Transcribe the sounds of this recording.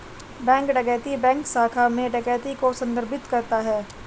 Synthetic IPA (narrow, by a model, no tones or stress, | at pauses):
bɛ̃ːŋkɖɐɡɛːt̪ibɛ̃ːŋksaːkʰamẽɖɐɡɛːt̪ikosɐ̃nd̪əɾbɪt̪kɐɾt̪aɦɛː